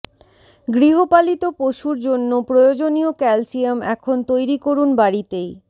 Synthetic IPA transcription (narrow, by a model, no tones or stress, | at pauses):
ɡɾiɦopalit̪opoʃuɾd͡ʑonːopɾojod͡ʑoniokɛlsijamɛkʰont̪ojɾikoɾunbaɾit̪ej